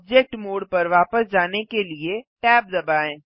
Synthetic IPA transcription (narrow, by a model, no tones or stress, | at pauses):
b̚d͡ʒek̚ʈmoːɽpɐɾʋaːpəsd͡ʒaːnekelieʈɛːp̚d̪ɐbaːẽː